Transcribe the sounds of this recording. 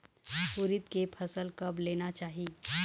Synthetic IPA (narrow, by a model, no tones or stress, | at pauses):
ʊɾɪt̪̚kepʰɐsəlkɐbleːnat͡ʃaːɦi